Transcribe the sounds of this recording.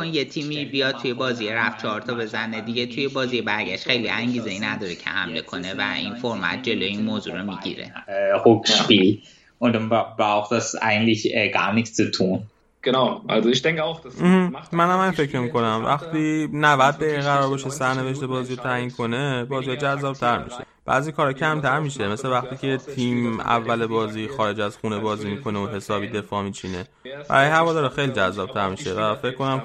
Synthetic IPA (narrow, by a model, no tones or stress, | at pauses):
onjet̪ʰiːmibijɒd̪̚t̪ʰujebɒːzijeɾæft̪t͡ʃʰɒɾt̪ʰɒbe̞zæned̪iɟet̪ʰujebɒːzijebæɾɟæʃt̪xe̞jliʔæɲɟiːzeinæd̪ɒːɾecʰe̞̰hæ̰mle̞̰kʰo̞ne̞væ̰ʔḭnfoɾmæ̰t̪̚ʰd͡ʒe̞loːjeinmoːzṵɾomiɟḭɾḛʁokʃpiːl | ʔʊndanb̥ʁaʊxt̚d̥asa̰ɪɡntlɪçɛɡa̰ːnɪçt͡st͡sutʰuːn | ɡ̥enaʊʔa̰lzoɪçd̪̥ɛŋkʰəaʊxd̥̩hm̩mænæmænfe̞cɾmiko̞næmvæ̰xt̪iːnævæd̪̚d̪æʁiɣæɾɒːɾbɒʃesæɾne̞ve̞ʃ̬t̪e̞bɒːziːot̪ʰæjinkʰo̞nebɒːziɒd͡ʒæzːɒːb̥̚t̪ʰæɾmḭʃe | b̥æ̰ːzikʰɒːɾɒcʰæmt̪ʰæɾmiːʃemesle̞væχt̪iːcʰe̞t̪ʰiːmæ̰vːælebɒːziːxɒːɾe̞d͡ʒæzxunebɒːziːmiːkʰo̞neoɦe̞sɒːbiːd̪e̞fɒːmiːt͡ʃʰine̞ | b̥æ̰ɾɒːjeɦævɒːd̪ɒːɾɛxejliːd͡ʒæzːɒb̥̚t̪ʰæɾmiʃe̞væfecʰkːo̞næm